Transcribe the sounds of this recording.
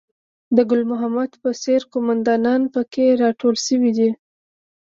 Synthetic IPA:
d̪əɡʊlmʊɦamad̪pəseɾkomand̪ɑnɑnpəkeɾɑʈʰolʃəwid̪i

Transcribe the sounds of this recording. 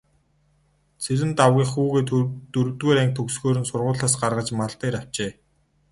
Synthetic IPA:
t͡sʰeɾɘ̆nt̪awɣʲiːχuːɣeːt̪t̪ɵɾt̪weːɾæŋk̚t̪ʰɵksxoːɾɘ̆nsʊrʁʊːɮaːsɢarʁə̆t͡ɕmaɮt̪eːɾaw̥t͡ɕeː

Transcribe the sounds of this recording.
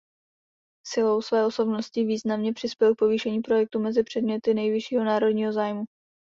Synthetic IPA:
sɪlo̞wsvɛːʔo̞so̞bno̞scɪviːznamɲɛpr̥ɪspjɛlk̚po̞viːʃɛɲiːpɾo̞jɛk̚t̪umɛzɪpr̝̥ɛdmɲɛt̪ɪnɛjvɪʃiːɦo̞naːɾo̞dɲiːɦo̞zaːjmu

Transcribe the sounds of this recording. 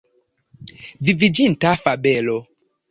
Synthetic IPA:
vivid͡ʒintafabelo

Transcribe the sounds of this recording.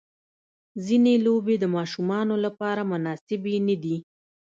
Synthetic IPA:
zinelobed̪əmɑʃumɑnolapɑɾamʊnɑsɪbenəd̪i

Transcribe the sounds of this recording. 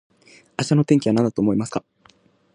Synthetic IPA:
aɕi̥ano̞t̪ẽ̞ŋkʲiβanãnd̪at̪oːmo̞imasɨ̥ka

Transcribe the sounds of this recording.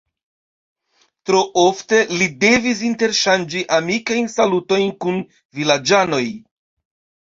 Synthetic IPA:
tɾo̞ʔo̞fte̞lide̞vis̬inte̞ɾʃand͡ʒiʔamikajnsaluto̞jnkun | vilad͡ʒano̞j

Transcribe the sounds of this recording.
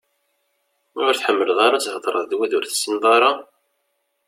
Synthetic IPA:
ʊɾθħəmːəlðˤɑɾˤat͡shəd̪ˤɾˤə̰ðˤðwæðʊɾθə̥sːənðˤɑɾˤɑ

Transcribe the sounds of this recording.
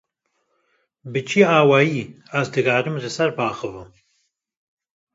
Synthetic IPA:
bɨt͡ʃʰiaːwaːjiː | azd̪ɨɡaːɾɨmʒɨsɛɾbaːxɨvɨm

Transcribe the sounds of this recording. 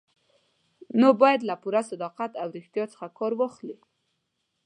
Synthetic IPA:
nobɑjad̪lapuɾasad̪ɑqat̪awɾɪxt̪jɑt͡sə̥xakɑɾwɑxli

